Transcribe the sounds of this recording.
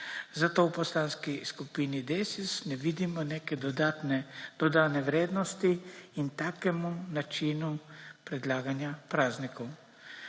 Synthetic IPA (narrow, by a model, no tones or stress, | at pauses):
zat̪oːwpɔslanskiskupinid̪eːsisnɛʋid̪imɔneːkɛd̪nɛd̪̥ɔd̪aːnɛʋɾeːd̪nɔst̪iint̪aːkɛmunat͡ʃinupɾɛd̪laːɡanjapɾaːznikɔw